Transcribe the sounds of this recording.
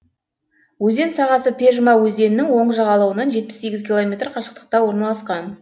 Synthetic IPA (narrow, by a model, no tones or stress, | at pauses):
wɵze̞nsɑʁɑsəpʰʲe̞ʒmɑwɵze̞nɪnɪŋwo̞ɴəʒɑʁɑlˠɑwənɑnʒe̞t̪̚pɪ̥sːe̞ɡʲɪzkʲʰilˠomʲe̞t̪rqʰɑʃə̥q̚t̪ə̥q̚t̪ɑwo̞ɾnɑlˠɑsqɑn